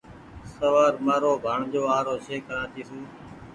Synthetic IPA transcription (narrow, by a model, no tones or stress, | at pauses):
səʋaːɾmaːɾoːbʱaːɳd͡ʒoːaːɾoːʃeːkːəɾãːt̪ʰiːsuː